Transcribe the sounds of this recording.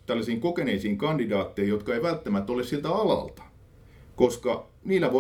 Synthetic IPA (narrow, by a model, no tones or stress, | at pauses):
t̪ælːæsiːŋkokeneisiːŋkɑndidɑːt̪ːeijjot̪kɑeiʋælt̪ːæmæt̪ːolessilt̪æɑlɑ̰lt̪ɑ̥ | koskɑ | niːlːˑæʋo